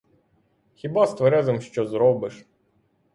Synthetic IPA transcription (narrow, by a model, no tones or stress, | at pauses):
xʲibɑst̪ʋɔɾɛzɔmʃt͡ʃɔzɾɔbɪʃ